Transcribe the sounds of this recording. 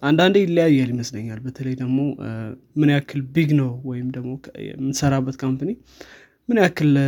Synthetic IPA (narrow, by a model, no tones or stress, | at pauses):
ʔand̪and̪ejɪlːəjajːaljiməsləɲːalbət̪ʰələjd̪əɡmo̞ | mɨnjakʰːɨlbiɡnəwwɔjɪmd̪əɡmo̞jɛ̰mɨnsəɾabːət̪kʰampəni | mɨnjakʰːɨl